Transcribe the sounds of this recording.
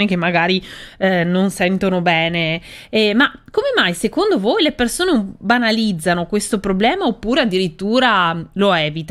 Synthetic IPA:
nek̟emːaɡaːɾinonsɛnt̪onobɛːneɛmakomemajsekond̪ovojlepersoːneubanalid̪zːanokwest̪opɾoblɛːmaopːuːɾead̪ːiɾit̪ːuːɾaloɛːvit̪

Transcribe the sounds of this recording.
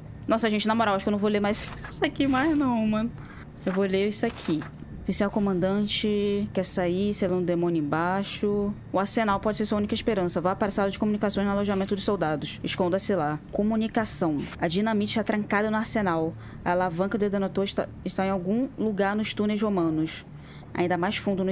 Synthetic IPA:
nɔsɐʒẽnt͡ʃɪnamoɾawaʃʊkewnɐ̃volemajzisakimajznɐ̃w̃mɐ̃nʊ | ewvoleɾisakʰi | fisiawkõmɐ̃nd̪ɐ̃t͡ʃɪkɛsaiselɐ̃nd̪ʊd̪emõnʊẽbaʃʊ | ʊahsenawpɔd͡ʒɪseɾsuɐũnikɐɪʃpeɾɐ̃sɐvaapaɾsad̪ɐd͡ʒɪkomunikasõj̃znʊaloʒamẽnt̪ʊd̪ʊʃsowd̪ad̪ʊʃɪʃkõnd̪ɐsɪlakomunikasɐ̃w̃ɐd͡ʒinɐ̃mit̪ɪʃt̪at̪ɾɐ̃ŋkad̪ɐnʊaɾsenaw | ɐalavɐ̃ŋkɐd̪ed̪onot̪oʃt̪aɪʃt̪aẽawɡũluɡaɾnʊʃt̪unejzhomɐ̃nʊs | a̰ĩnd̪ɐmajsfũnd̪ʊnʊ

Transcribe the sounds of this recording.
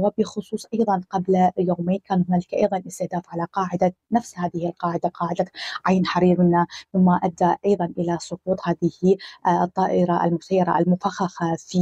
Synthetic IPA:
wɪbɪxʊsˤuːsˤʔɑjðˤɑnqabljoːmeːnkaːnat̪malakaʔɑ̰jðˤɑnʔɪst̪ɪhd̪aːfʕalaqɑːʕɪd̪anafshaːðɪhɪlqɑːʕɪd̪aqɑːʕɪd̪aʕajnħɑɾiːɾnamɪmːaʔad̪ːaʔɑjðˤɑnʔɪlasˤʊquːt̪ˤhaːðɪhɪʔʔt̪ˤːɑːʔɪɾˤɑʔa̰lmʊsajːɑɾˤa̰ʔalmʊfaxaxafi

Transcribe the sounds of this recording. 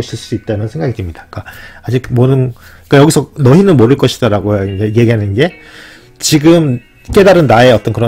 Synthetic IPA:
ɕɯɭs͈uit̚t͈anɯnsʰe̞ŋɡaɡidɯmɲid̥ḁk͈aad͡ʑikmʌɾɯn | k͈ajʌɡisʰʌnʌɦinɯnmoɾɯɭk͈ʌɕʰi̥d̥aɾaɡojoid͡ʑeje̞ɡiɦanɯnɡe̞ | t͡ɕiɡɯm | k͈e̞daɾɯnːae̞ʌt͈ʌnkɯɾʌ

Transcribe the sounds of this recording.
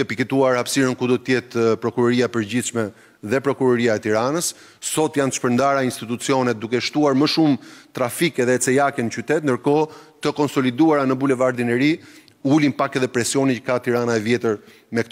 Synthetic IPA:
ɛpikɛt̪uaɾhapsiɾənkud̪ɔt̪əjɛt̪pɾɔkuɾɔɾiapəɾd͡ʑiʃmɛ | ðɛpɾɔkuɾɔɾiaɛt̪iɾanəsː | sɔt̪jant̪ə̥ʃpəɾnd̪aɾainst̪it̪ut͡siɔnɛt̪̚d̪ukɛʃt̪uaɾməʃumt̪ɾafikɛðɛt͡sɛjakɛnət͡ɕyt̪ɛt̪̚nd̪əɾkɔt̪əkɔnsɔlid̪uaɾanəbulɛvaɾd̪inɛɾi | ulinpakɛðɛpɾɛsijɔnit͡ʃə̥kat̪iɾanaɛvjɛt̪əɾ | mɛk̚t̪

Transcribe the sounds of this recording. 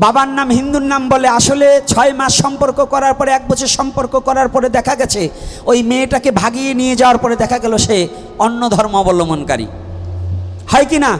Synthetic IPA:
babanːamɦind̪uɾnamboleaʃolet͡ɕʰɔemaʃːɔmpoɾkokɔɾaɾpɔɾeɛk̚bɔt͡ɕʰoɾʃɔmpoɾkokɔɾaɾpɔɾed̪ɛkʰaɡɛt͡ɕʰeojmeʈakebʱaɡienied͡ʑaoaɾpɔɾed̪ɛkʰaɡɛloʃe | onːod̪ʱɔɾmoɔbolomonka̰ɾḭ | hɔjkina

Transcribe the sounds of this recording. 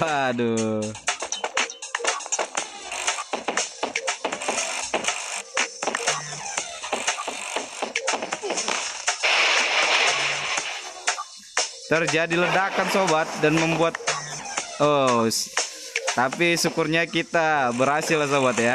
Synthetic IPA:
ado | t̪ərd͡ʒadilədakansobat̪̚danməmbuat̪̚ | os | t̪apisukʊrɲakit̪abəɾhasɪlas̬obat̪ja

